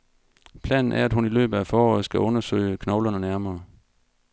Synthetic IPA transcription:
pʰlɛ̰ːnn̩ʔæɐæd̥ɦunilø̰ːb̥ð̩æfɒːɒ̰ð̩ˠsɡ̥æʔɔ̽nɐsø̰ɪəkʰnɒʊlɐnənæɐmɐː

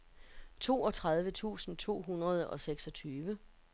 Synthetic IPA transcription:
t͡sʰo̝̰ːɒ̽t͡sʰʁað̞ˠʋət͡sʰṵːsn̩t͡sʰo̝̰ːɦunʁɐð̞ˠɒ̽seɡ̥sɒ̽t͡sʰyːʋə

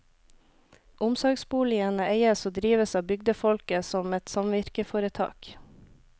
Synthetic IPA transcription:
ʔʊmsɔːɡsbuːlɪənəʔeɪəsoːd̪ɾiːʋəsɑːbʏɡd̪əfɔlkəsɔmɛt̪sɑmʋɪɾkəfoːɾət̪ʰɑ̰ːk

